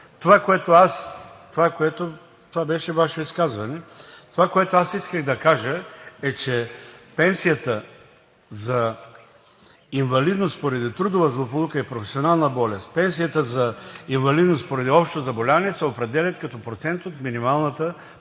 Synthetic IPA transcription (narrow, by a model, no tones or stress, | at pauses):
t̪ovakoɛt̪oast̪ovakoɛt̪o | t̪ovabɛʃɛvaʃoiskazvɐnɛt̪ovakoɛt̪oasiskəɣd̪ɐkaʒəɛt͡ʃɛpɛnsijət̪ə | zɐ | invɐlid̪nost̪poɾɐd̪it̪ɾud̪ovɐzlˠopolˠukəipɾofɛsionalˠnəbɔlʲɛst̪pɛns̬ijət̪əzɐiɱvɐlid̪nost̪̚poɾɐd̪iɔpʃt̪ozɐbolʲavɐnɛsɛopɾɛd̪ɛlʲɐt̪̚kɐt̪ɔpɾot̪sɛnt̪ot̪minimalˠnət̪ə